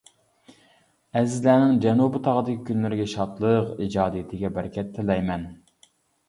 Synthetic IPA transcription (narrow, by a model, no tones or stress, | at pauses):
ɛzɪzlæːnɪŋd͡ʒɛnubɨt̪ʰɑʁəd̪ɨkʲɪkʲʰynlɪɾɪɡʲɛʃɑt̪lˠəqid͡ʒɑːd̪ɨjɪt̪ʰɪɡʲɛbæɾkʲʰɛt̪ʰːɪlɛjmɛn